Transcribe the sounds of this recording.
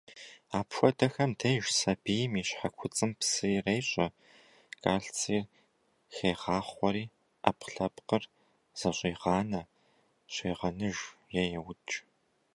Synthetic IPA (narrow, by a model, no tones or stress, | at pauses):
aːpxʷɔdɐxɐmtʰɐjʒsɐbijɪmiːɕħakʷʰʊt͡sʼɨmpsɨrejɕʼɐ | kʼaːɬt͡sʰʼiːr | xeːʁɑːχʷɔɾiː | ʔɐpɬɐpqər | z̥ɐɕʷʼiːʁɑːnɐ | ɕeːʁɐnɨʒjɛjɛwʊt͡ʃʼ